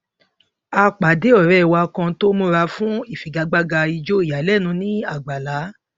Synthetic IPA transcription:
a˧k͡pa˨de˨˦ɔ˦˨ɾɛ˦˨wa˧kã˧to˦mũ˦ɾa˧˦fũ˦i˦˨fi˨ɡa˨˧ɡ͡ba˦ɡa˧i˧d͡ʒo˦i˦˨ja˨˦lɛ˦˨nũ˨˧˦nĩ˦a˦˨ɡ͡ba˨la˨˦

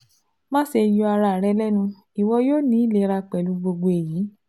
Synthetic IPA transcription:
mã˦ʃe˧ju˧a˧ɾa˧˨ɾɛ˧˦lɛ˦nũ˧ | i˨wɔ˧joː˦nĩ˦i˦le˧˦˧ɾa˧k͡pɛ˨lu˨˧˦ɡ͡bo˧ɡ͡bo˧e˨jiː˨˦

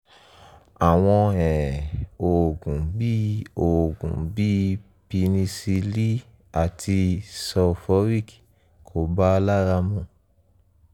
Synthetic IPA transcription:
a˨w̃ɔ̃˧ɛ̃˨o˨ɡũ˨bi˦o˨ɡṵ̃˨bi˦ | pi˧nĩ˧si˧li˦ | a˨tʰi˧sɔ˧fɔ˦ɾi˦˨k | kʰo˨˦ba˦˧la˦ɾa˧mũ˨˦˨

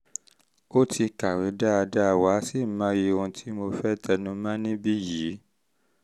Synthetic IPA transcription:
o˦tʰi˧ka˨we˨˦da˦a˧da˦˧˨wa˨˦si˦˨˦mã˦je˧õ˧tʰi˨˦mo˧fɛ˦˨tʰɛ˧nũ˧˦mã˦nĩ˦bi˦ji˨˦

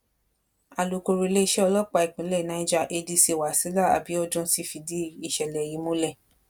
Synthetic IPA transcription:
a˨lo˨ko˧ɾo˧˨˧le˦i˧˦ʃɛ˦ɔ˧lɔ˦k͡pa˧˨i˨k͡pĩ˨˦lɛ˦˨nã˨˧˦i˦d͡ʒa˦˧˨ʔe˧di˧si˧˨wa˨si˨˦la˦˨a̰˨bi˨˦ɔ˦d͡ʒũ˦si˧˦fi˧di˦i˨ʃɛ˨lɛ˨ji˨˦mõ˦lɛ˦˨

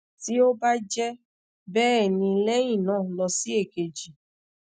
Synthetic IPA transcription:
ti˦o˦ba˦d͡ʒɛ˦ | bɛː˦˨nĩ˧lɛ˦ĩ˦˨nãː˦˨lɔ˧si˦e˦˨ke˨d͡ʒi˨

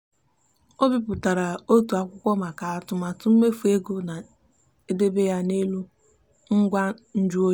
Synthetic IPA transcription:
o˦bi˦pʊ˨ta˨ɾa˨o˦tu˨a˨kʷʊ˦kʷɔ˦ma˨ka˨a˨tʊ˦ma˨tʊ˦m̩˦me˦fu˨e˦ɡo˦na˨ | e˦de˦be˦ja˦ne˦lu˦ | ŋ̩˦ɡʷa˦n̩˦d͡ʒu˦o˦

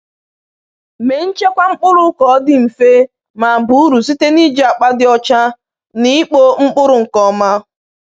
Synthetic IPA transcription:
me˨n̩˦t͡ʃe˦kʷa˦ŋ͡m̩˦k͡pʊ˦ɾʊ˨˦kɔ˨˦dɪ˦m̩˨fe˦ | ma˨bu˨˦u˦ɾu˨si˦te˦ni˦d͡ʒa˨k͡pa˦dɪ˦ɔ˦t͡ʃa˦ | ni˦k͡po˦ŋ͡m̩˦k͡pʊ˦ɾʊ˨ŋ̩˨kɔ˨ma˦

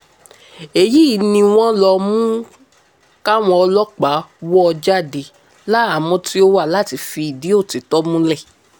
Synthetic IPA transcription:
e˨ji˦i˨˦nĩ˧w̃ɔ̃˦lɔ˧mũ˦ | ka˦w̃ɔ̃˧ɔ˧lɔ˦k͡pa˨˦wɔ˦ɔ˧d͡ʒa˦˨de˧˨ | la˦a˦˨mɔ̃˧ti˦o˦wa˦˨la˨˦ti˧fi˧i˨di˨˦o˦˨ti˨˦tɔ˦mũ˦lɛ˦˨

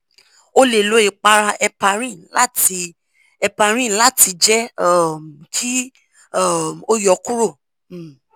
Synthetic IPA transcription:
o˦le˨lo˨˦i˨k͡pa˧ɾa˧ʔɛ˧pa˧ɾ̃ĩ˦˨la˦ti˧ | ɛ˧pa˧ɾ̃ĩ˦˨la˦ti˧d͡ʒɛ˦a˦˨m˨kʰi˦ | a˦˨mo˦jɔ˨˦ku˦ɾo˦˨˦

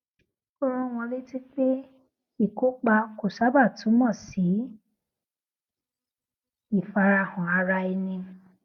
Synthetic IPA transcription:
ko˦ɾ̃ɔ̃˦˨w̃ɔ̃˧le˦ti˦k͡pe˦ | i˦˨ko˨˦k͡pa˧ko˨sa˦ba˦˨tũ˨˦mɔ̃˦˨si˨˦ | i˦˨fa˧ɾa˧˨hɔ̃˨a˧ɾa˧i˧nĩ˧

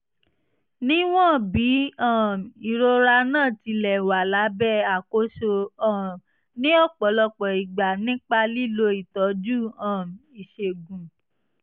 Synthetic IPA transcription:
nĩ˦w̃ɔ̃˦˨bi˨˦ã˦˨mi˨ɾo˧ɾa˧nãː˦˨ti˧lɛ˨wa˨la˨˦bɛ˦˨a˨ko˨˦ʃo˧ã˦˨ | nĩ˦ɔ˦˨k͡pɔ˨˦lɔ˧k͡pɔ˨i˨ɡ͡ba˨nĩ˦k͡pa˧li˦lo˧i˦˨tɔ˨˦d͡ʒu˦˨ã˨mi˨ʃe˨ɡũ˨

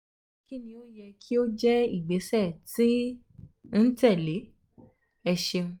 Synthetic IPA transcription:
ki˦nĩ˧o˦jɛ˧kʰi˦o˦d͡ʒɛ˦i˦˨ɡ͡be˨˦sɛ˦˨ti˦ | n̩˦tɛ˦˨le˨˦ | ɛ˧ʃe˧ũ˧

